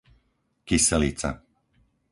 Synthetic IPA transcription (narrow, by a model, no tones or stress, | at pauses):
kisɛliːt͡sa̰